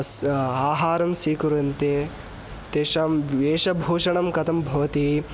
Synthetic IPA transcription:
saːɦaːɾɐmsiːkuɾɐnt̪e | t̪eːʃɐmʋeːʃɐbʱuːʃɐɳɐmkɐt̪ɐmbʱɐʋɐt̪i

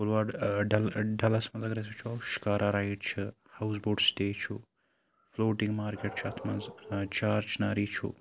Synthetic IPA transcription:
kulʋaːɖɖɐlɖɐlɐsmɐnzɐɡɾɐs̬et͡ʃʰuɐwʃi̥kaːɾʔaːɾaːiʈt͡ʃʰɨ | hɐws̬boːɖst̪eːt͡ʃʰṵ | floːʈiŋɡmaːɾkeʈt͡ʃʰuɐt̪ʰmɐzt͡ʃaːɾt͡ʃnaːɾiːt͡ʃʰṵ

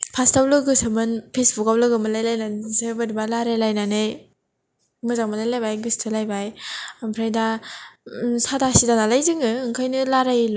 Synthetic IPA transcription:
pʰastawlɯɡɯsɯmɯnpʰesbukawlɯɡɯmɯlajlajnansɯbɯɾibalaɾajlajnanɯj | mɯzaŋmalajlajbajɡɯstʰɯlajbajampʰɾajda | sadasidanalajzɯŋɯɯŋkʰajnɯlaɾajl

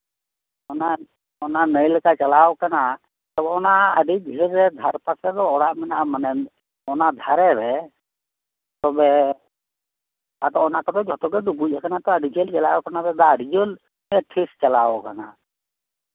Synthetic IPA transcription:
ɔna | ɔnanəjlkat͡ʃəlaɔkana | t̪ɔbɛɔnaəɖʱiɡʱiɾːɛd̪ʱəɾpasɛd̪ɔɔɽamɛnamanɛ | ɔnad̪ʱaɾɛɾɛ | t̪ɔbɛ | at̪ɔɔnakɔd̪ɔd͡ʒʱɔt̪ɔɡɛd̪ubud͡ʒakanat̪ɔəɖid͡ʒelt͡ʃɐlaɔkanabɛd̪aəɖid͡ʒol | ɛʈʰist͡ʃəlaɔkana̰

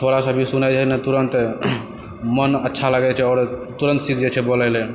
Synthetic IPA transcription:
t̪ʰoɾasəbʱisunajd͡ʒɛnət̪uɾənt̪ | mənətːʃʰaləɡɛt͡ʃʰɛɔɾt̪uɾənt̪sikʰd͡ʒɛt͡ʃʰɛbolɛjlɛ

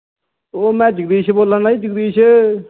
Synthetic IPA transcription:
oːmɛ̃ːd͡ʒəɡd̪iːʃʰboːlənaiːd͡ʒəɡ̚d̪iːʃə

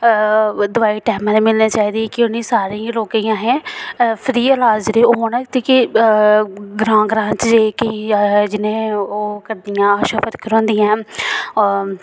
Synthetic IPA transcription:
d̪ʊʋaːiːʈɛːmãːnemɪlniːt͡ʃaːiːd̪iːɛkɪʊnĩːsaːɾiloːkiːãːɦɛ̃ːpʰɾiːəlaːzɾeːoːɦoːnɛt̪eːkɪ | ɡɾãːɡɾãːt͡ʃd͡ʒeːkɪĩd͡ʒɪnẽːoːkəɾd̪ɪjãːaːʃaːpʰət̪kəɾõːnd̪ɪjãː

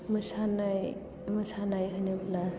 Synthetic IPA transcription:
mɯsanaj | mɯsanajɦɯnebla

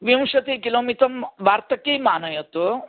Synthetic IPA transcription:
ʋimʂɐt̪ikiloːmit̪ɾɐmʋaɾt̪ɐkimaːnɐjɐt̪o

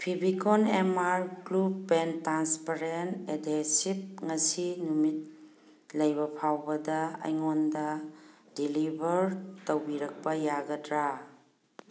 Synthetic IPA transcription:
pʰibikonemaɾklupːentɾanspaɾentedesip̚ŋɐsinumit̚ | lɐjbɐpʰawbɐdɐɐ̰jŋondɐ | dilibʱɐɾtɐwbiɾɐk̚pɐjaɡɐdɾa

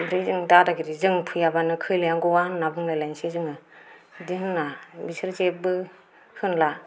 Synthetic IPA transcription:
bɾizɯŋdadaɡiɾizɯŋpʰɯjabanɯkʰɯjlijaŋɡɔwannabɯŋlajlajnsezɯŋɯdiɦɯnːabisɯɾzebɯ | hɯnla

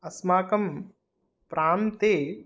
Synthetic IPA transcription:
ɐsmaːkɐm | pɾaːmt̪eː

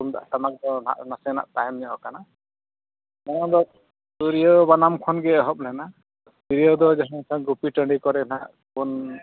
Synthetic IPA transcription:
umd̪a̰ʔt̪amak̚d̪ɔna̰ʔnasɛna̰ʔt̪ajɛmɲɔkana | nɔad̪ɔ | suɾijɔbanamkʰɔnɡɛɔɦɔp̚lɛna | biɾijɔd̪ɔd͡ʒaɦãŋsʰaɡupiʈəɳɖikɔɾɛnaʔ | kɔn

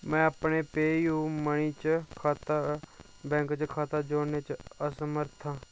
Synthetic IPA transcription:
mɛ̃ːəpɳeːpeːijũːməɳ̃iːt͡ʃəkʰaːt̪a | bɛ̃ːŋkt͡ʃəkʰaːt̪aːd͡ʒoːneːt͡ʃəsəməɾt̪ʰãː

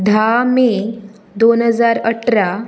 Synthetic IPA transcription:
d̪ʱame | d̪onɦəd͡zaɾəʈɾa

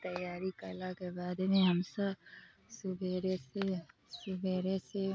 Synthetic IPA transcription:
t̪ɐjaːɾikɐlaɡɐbaːd̪nĩɦɐmsɐb | sʊbʱeːɾesesʊbʱeːɾese

